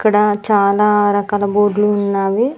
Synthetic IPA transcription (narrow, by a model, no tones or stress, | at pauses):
ɐkːɐɽɐt͡ʃaːlaːɾɐkaːlɐboːɖluːnːaːʋi